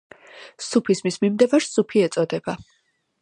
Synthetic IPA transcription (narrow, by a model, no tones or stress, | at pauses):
supʰismismimd̪ɛvaɾsupʰiɛt̪sʼɔd̪ɛb̥a